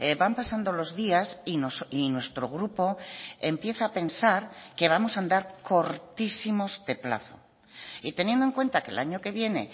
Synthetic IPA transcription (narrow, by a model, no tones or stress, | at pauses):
ebampasand̪o̞lo̞zðiasinosinwe̞st̪ɾo̞ɣ̞ɾupo̞e̞mpje̞θaːpe̞nsaɾke̞β̞amo̞sand̪aɾko̞ɾt̪isimo̞zd̪e̞pla̰θo̰ | it̪e̞njend̪oe̞ŋkwe̞nt̪akḛlaɲo̞ke̞βje̞ne̞̰